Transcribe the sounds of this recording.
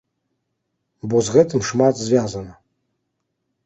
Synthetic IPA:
bozʁɛtʰɨmʂmatʰʼzvʲaːzana

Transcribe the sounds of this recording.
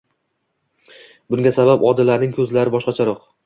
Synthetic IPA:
bʊŋɡʲasabapɒd̪ɪlaɾnɪŋkʲʰɵzlaɾɪbɒʃqɑt͡ʃʰaɾɒq

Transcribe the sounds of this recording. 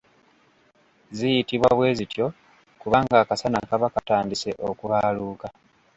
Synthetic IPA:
zijitiβwaβwe̞ːzitjo̞ | kuβaːŋɡaːkasanakaβakataːndise̞ʔo̞kuβaluːka

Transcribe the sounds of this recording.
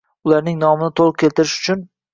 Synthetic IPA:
ʊlaɾnɪŋnɒmɪnɪt̪ʰolˠɨq̚kʲʰe̞lˠt̪ɪɾɪʃʊ̥t͡ʃʰʊn

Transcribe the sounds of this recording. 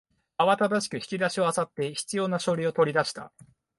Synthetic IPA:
aβat̪ad̪aɕi̥kɯ̟çʲi̥kʲid̪aɕio̞asat̪ːe̞çi̥t͡sɨjo̞ːnaɕo̞ɾʲio̞t̪o̞ɾʲid̪aɕi̥t̪a̰

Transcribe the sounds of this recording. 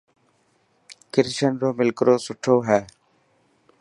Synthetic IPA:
kɪɾʃənɾoːmɪlkəɾoːsʊʈʰoːɦɛː

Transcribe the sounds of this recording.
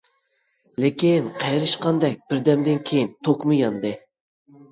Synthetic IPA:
lekʲinqʰɑjɾɨʃqɑnd̪ɛk̚ʲb̥ɪɾd̪ɛmd̪ɪnkʲʰejint̪ʰokmɨjɑnd̪ɨ

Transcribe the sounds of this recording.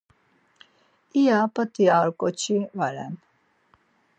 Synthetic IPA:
ijapət̪ʼiaɾkʼɔt͡ʃʰivaɾɛ̰n

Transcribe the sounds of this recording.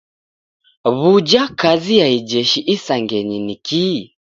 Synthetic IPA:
βud͡ʒakazijaid͡ʒɛʃiʔisaŋɡɛɲiniki

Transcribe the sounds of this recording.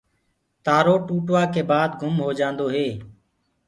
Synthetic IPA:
t̪aːɾoːʈuːʈʋaːkeːbaːd̪ɡʱʊmɦoːd͡ʒãːnd̪oːɦeː

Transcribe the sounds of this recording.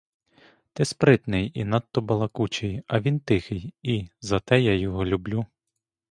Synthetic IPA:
t̪ɪspɾɪt̪nɪjinɑt̪ːɔbɐlˠɐkut͡ʃɪjɐʋʲint̪ɪxɪjizɐt̪ɛjajɔɦɔlʲublʲu

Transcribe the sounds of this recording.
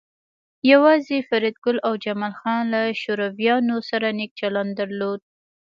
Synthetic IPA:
jawɑzefaɾid̪̚ɡʊlawd͡ʒamɑlxɑnlaʃoɾavijɑnosaɾanek̚t͡ʃaland̪aɾlod̪̚

